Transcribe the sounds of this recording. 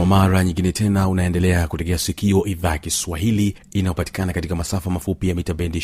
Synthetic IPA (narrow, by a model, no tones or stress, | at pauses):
amaɾaɲiŋɡinɛtʰɛnaunaɛndɛlɛakutɛkɛasikiɔʔiðakiswaɦili | inajɔpati̥kanakatikamasafamafupijamitabɛndi